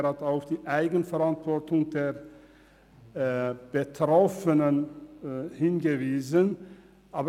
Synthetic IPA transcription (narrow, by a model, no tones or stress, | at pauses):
hataʊfd̥iːʔaɪɡən̩fɛɐʁantv̥ɔɐtʊŋdeːɐ | b̥ətʁ̥ɔfənən | hɪnɡəviːzən | ʔaːb